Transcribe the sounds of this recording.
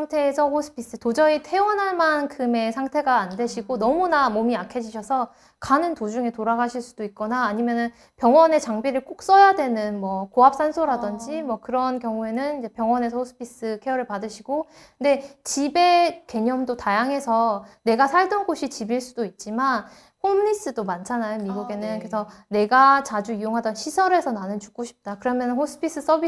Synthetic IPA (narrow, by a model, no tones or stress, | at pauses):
aŋtʰe̞ːsʰʌɸosʰɯ̥pʰis͈ɯtod͡ʑʌitʰe̞wʌnɦaɭmankʰɯme̞sʰaŋtʰe̞ɡaːndeɕʰiɡonʌmunamomiakʰed͡ʑiɕʰʌsʰʌ | kanɯntod͡ʑuŋe̞toɾaɡaɕʰiɭs͈ud̥oit̚k͈ʌnaːɲimjʌnɯn | pjʌŋwʌne̞t͡ɕaŋbiɾɯɭk͈ok̚s͈ʌjadwe̞nɯnmwʌkoɦap̚s͈ʰansʰoɾadʌnd͡ʑimwʌkɯɾʌnkjʌŋue̞nɯniɲd͡ʑe̞pjʌŋwʌne̞sʰʌhʰosʰɯ̥pʰis͈ɯkʰe̞jʌɾɯɭpadɯɕʰiɡ̥o | knde̞t͡ɕibe̞ke̞ɲʌmdotajaŋɦe̞sʰʌne̞ɡasʰaɭdʌnɡoɕʰit͡ɕibiɭs͈udoit̚t͡ɕ͈iman | homɲis͈ɯdomant͡ɕʰanajomiɡuɡe̞nɯnkɾesʰʌne̞ɡat͡ɕad͡ʑuijoŋɦadʌnɕʰisʰʌɾe̞sʰʌnanɯnt͡ɕu̥k͈oɕʰi̥p̚t͈akɯɾʌmjʌnɯnhos͈ʰɯ̥pʰis͈ɯs͈ʌbi